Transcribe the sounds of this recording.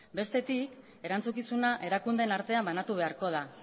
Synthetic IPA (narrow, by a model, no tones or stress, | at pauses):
be̞st̪e̞t̪ik | e̞ɾant͡sukisunaʔe̞ɾakund̪e̞naɾt̪e̞ambanat̪uβe̞aɾko̞ð̞a